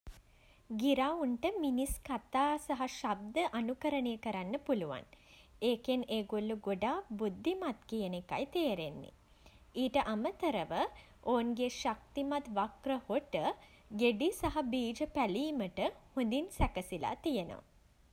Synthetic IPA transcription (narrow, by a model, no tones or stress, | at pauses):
ɡiɾauɳʈəminiskat̪aːsaɦaʃab̚d̪əʔanukəɾənejəkəɾanːəpuluʋa̰neːkeneːɡolːuɡoɖaːbud̪ʱːimat̪kijənekajt̪eːɾenːḭ | iːʈəʔamət̪əɾəʋə | oːnɡeʃak̚t̪imat̪ʋakrəhoʈə | ɡeɖisaɦabiːd͡ʒəpæliːməʈəhund̪insækəsila̰t̪ijəno̰ʋ̰